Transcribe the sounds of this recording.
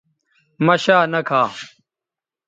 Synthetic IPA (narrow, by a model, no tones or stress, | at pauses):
mɐɕaːnɐkʰaː